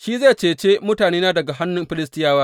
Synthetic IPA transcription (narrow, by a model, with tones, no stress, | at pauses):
ʃiː˦ze˦˨t͡ʃeː˨t͡ʃe˦mʊ˦taː˨neː˦naː˦dɐ˨ɡa˨ɦa˦nːʊ˦mɸɪ˦lɪ˦stɪ˦jaː˦waː˦